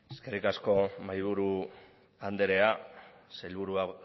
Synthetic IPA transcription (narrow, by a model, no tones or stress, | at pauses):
eske̞rikasko̞majβuɾu | and̪eɾe̞a | sajlβuɾua